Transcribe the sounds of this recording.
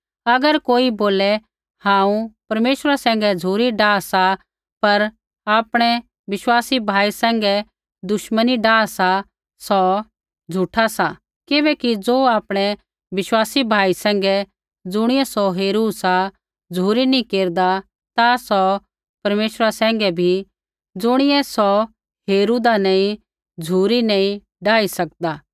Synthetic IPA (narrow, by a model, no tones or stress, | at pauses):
ɐɡəɾkoːiboːlɛ | hãːũpɐɾmeːʃɾasɛ̃ːŋ̆ɡɛd͡zʱuːɾiɖaːsa | pɐɾ | aːpɽ̃ɛ | ʋɪswaːsibʱaːisɛ̃ːŋɡɛ | d̪ʊʃməniɖaːsa | sɔ | d͡zʱuʈʰasa | kɪbɛːkid͡zoːaːpɽ̃ɛ | ʋɪswaːsibʱaːisɛ̃ːŋ̆ɡɛ | d͡zʊɽ̃ɪjɛsɔɦeːɾuːsa | d͡zʱuːɾinĩkeːɾd̪a | t̪asɔ | pɐɾmeːʃɾasɛ̃ːŋ̆ɡɛbʱi | d͡zʊɽ̃ɪjɛsɔ | ɦeːɾuːd̪anãːĩ | d͡zʱuːɾinãːĩ | ɖaːisɐk̚d̪aː